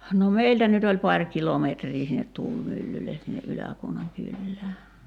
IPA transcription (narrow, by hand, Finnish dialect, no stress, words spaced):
no meiltæ nyt olʲ pɑrʲ kilometriː sinːet tuːlmylːyle sinːe ʔylækuonɑŋ kylːæː